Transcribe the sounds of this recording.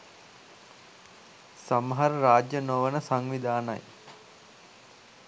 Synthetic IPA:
saməɦaɾəɾaːd͡ʒjənoʋənəsaŋʋid̪aːna̰j

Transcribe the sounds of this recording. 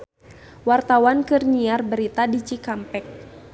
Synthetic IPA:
wart̪awankɨrɲiarbəɾit̪adit͡ʃikampɛk̚

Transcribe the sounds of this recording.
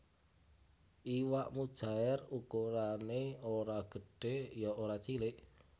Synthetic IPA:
ʔiwaʔmud̥ʒ̥a̤ɛrukuɾaneoɾaɡ̥ə̤ɖ̥e̤jɔoɾat͡ʃilɪʔ

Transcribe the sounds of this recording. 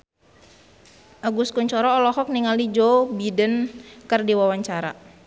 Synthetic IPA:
ʔaɡuskuɲt͡ʃɔɾɔːlɔɦɔk̚niŋalid͡ʒɔbidənkərdiwawaɲt͡ʃaɾa̰

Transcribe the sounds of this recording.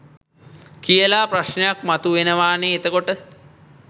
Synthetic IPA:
kijəlaːpraʃnəjak̚mat̪uʋenəʋaːneːt̪əkoʈə

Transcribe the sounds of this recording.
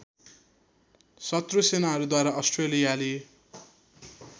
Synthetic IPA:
sʌt̪rosenaʌɾud̪waɾaʔʌsʈrelijale

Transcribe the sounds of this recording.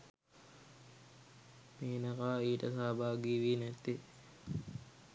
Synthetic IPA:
miːnɐkaːiːʈəsaːbaːɡiːʋiːnæt̪ːi

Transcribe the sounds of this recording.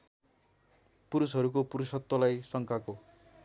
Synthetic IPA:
puɾusɦʌɾuk̬opuɾusʌt̪ːʌlajsʌŋkako

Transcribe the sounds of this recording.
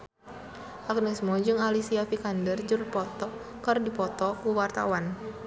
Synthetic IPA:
ʔaɡnismɔd͡ʒɨŋalisiafikandərd͡ʒurpɔt̪ɔ | kɨrdipɔt̪ɔkuwart̪a̰wan

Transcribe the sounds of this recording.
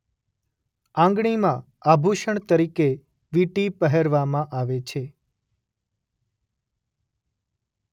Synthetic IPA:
ãŋɡɳimã | abʱuʃəɳt̪əɾike | ʋiʈipəɦeɾʋamãʔaʋet͡ʃʰe

